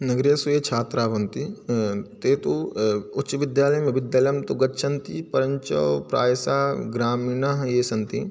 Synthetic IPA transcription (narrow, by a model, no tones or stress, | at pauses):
nɐɡɾɐsujeːt͡ʃʰaːt̪ɾaːʋɐnt̪i | t̪eːt̪uʊtːt͡ʃɐʋɪd̪jaːlɐjmeʋɪd̪jaːlɐjɐmt̪uɡɐtːʃʰɐnt̪ipɐɾɐɲt͡ʃɐ̰ʋpɾa̰ːjɐsaːɡɾaːmiːnaɦjeːsɐnt̪i